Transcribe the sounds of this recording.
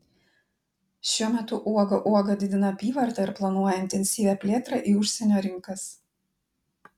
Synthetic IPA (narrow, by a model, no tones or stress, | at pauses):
ʃʲuɔmʲɛt̪ʊʔuɔɡɐʔuɔɡɐd̪ʲɪd̪ʲɪnɐɐpʲiːʋɐɾt̪ɐɪɾplˠɐnuɔjɛɪnʲt̪ʲɛnʲsʲiːʋʲæpʲlʲeːt̪ɾɑʔiːʊʃʲsʲɛnʲoːɾʲɪŋkɐs